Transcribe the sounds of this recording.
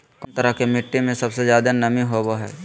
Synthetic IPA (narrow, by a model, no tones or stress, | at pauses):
knt̪əɾəɦkemɪʈːemẽsɐbsezjaːd̪anɐmĩɦoboɦɛ̰ː